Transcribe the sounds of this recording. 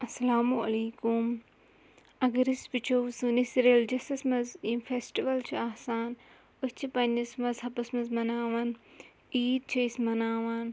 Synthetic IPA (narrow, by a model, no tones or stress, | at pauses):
ɐsɐlaːmuɐliːkum | ɐɡɐɾisbit͡ʃʰowsunisɾeld͡ʒɐsɐsmɐzifʰesʈiʋɐlt͡ʃʰiaːsaːn | ust͡ʃʰipɐnd͡ʒɐsmɐzɦɐpɐsmɐzmɐnaːʋɐn | iːd̪̚t͡ʃʰɐismɐnaːʋan